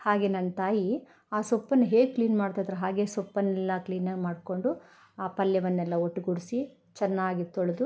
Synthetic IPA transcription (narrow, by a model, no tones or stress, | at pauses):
haːɡenɐnt̪aːji | aːsɔpːɐnːɐɦe̞ːɡkliːnmaːɽt̪aːd̪ɐɾɐɦaːɡe̞ːsɔpːɐnːɛlːɐkliːnɐmaːɖko̞ɳɖu | aːpɐljɐʋɐnːɛlːɐoʈːuɡuɽisi | t͡ʃɛnːaːɡit̪ɔɭɐd̪u